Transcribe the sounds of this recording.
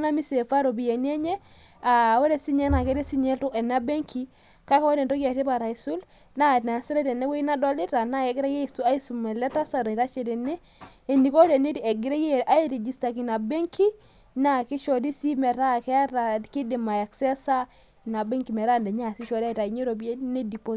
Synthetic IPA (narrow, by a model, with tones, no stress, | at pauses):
na˦mi˦se˨fa˦ɾo˨bi˨je˨ni˦ɛ˦ɲɛ˦ | a˨wɛ˦ɾɛ˦si˦ɲɛ˦na˨kɛ˦ɾɛ˦si˦ɲɛ˦ltu˦ɛ˨na˦be˦ŋkʰi˦ | ka˦ka˦wɔ˦dɛ˨ntɔ˦ka˨te˦pa˨ɾa˨i˨su˦l | na˦na˨si˦ɾɛ˦tɛ˨nɛ˦we˦i˦na˦dɔ˦li˦ta˨na˦kɛ˨˦ɡɪ˦ɾa˦je˦i˨stu˦a˦i˦su˨mɛ˨lɛ˦ta˦sa˨ɾɔ˨ta˦t͡ʃɛ˨tɛ˨nɛː˦˨ | ndi˨kɔ˦dɛ˨ni˦tɛ˨ɡi˨ɾe˦je˦˨a˦i˦ɾi˨d͡ʒi˨˦sta˨ki˨na˨bɛ˦ŋki˦ | na˨ki˦ʃɔ˨di˦si˦mɛ˨ɾa˦˨kɛ˦a˦ta˨ki˦di˨ma˨ja˨ksɛ˦sa˦ | na˨bɛ˦ŋki˨mɛ˨ɾa˦ndɛ˨ɲa˦˨si˦ʃɔ˨da˦i˨ta˨i˨ɲe˦ɾo˨bi˦e˦nɛ˦di˨po˦